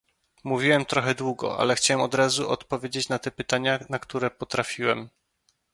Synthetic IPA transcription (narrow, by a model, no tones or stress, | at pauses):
muvʲiwɛmt̪ɾɔxɛd̪wuɡɔ̰ʔa̰lɛxt͡ɕawɛmɔd̪ɾazuʔɔt̪pɔvʲjed͡ʑet͡ɕnat̪ɛpɘt̪aɲanakt̪uɾɛpɔt̪ɾafʲiwɛm